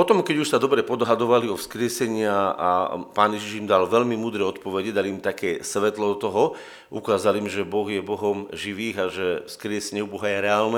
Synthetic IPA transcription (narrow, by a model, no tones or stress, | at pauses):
pɔt̪ɔmkɛɟuʃsad̪ɔbɾɛpɔd̪ɦad̪ɔʋaliɔfskɾɪɛsɛɲɪaa̰paːnjɛʒiʒimd̪alʋɛʎmimuːd̪ɾɛɔt̪pɔʋɛɟɛd̪aliːmt̪akɛːsʋɛt̪lɔd̪ɔt̪ɔɦɔ | ʔṵkaːzaliːmʒɛbɔɣjɛbɔɦɔmʒiʋiːɣaʒɛfskɾɪɛsɛɲɛubɔɦajɛɾɛaːlnɛ